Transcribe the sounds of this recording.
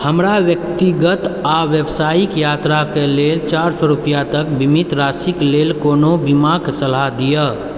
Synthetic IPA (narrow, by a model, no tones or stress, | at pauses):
həmɾaʋjəkt̪iɡət̪aʋjebsaikjat̪ɾakelelt͡ʃaɾsɔɾupijat̪əkbimit̪ɾasiklelkonobimaksəlɦad̪ijə